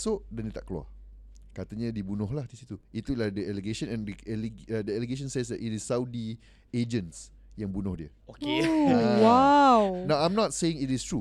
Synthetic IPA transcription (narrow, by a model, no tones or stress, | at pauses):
soʔdɛndiət̪aʔkəlua̰ | kat̪əɲədibunʊhlahd̪isit̪uit̪uladəɛleɡeʃə̃nɛ̃ndəɛldəɛleɡeʃ̬ɔ̃nsesdɛtitisːawdi | ed͡ʒə̃ns | jãŋbunʊhdiə | okewawnawãjmnɔt̚seĩŋitistɹu